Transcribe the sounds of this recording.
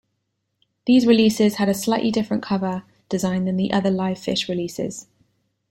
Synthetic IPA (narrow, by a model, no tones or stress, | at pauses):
ðiːzɹɪliˑsɪz̥əɾəslaɪʔlidɪfɹə̃nkʰʌvə | d̥ɪzãɪ̃nðə̃nðiʔʌðəlaɪv̥fɪʃɹɪliˑsɪ̰z̥